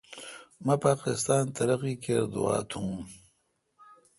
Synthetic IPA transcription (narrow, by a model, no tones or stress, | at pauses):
mapaːqɪst̪aːnt̪ɐɾɐqiːkeɾd̪ṵa̰ːt̪ʰũːm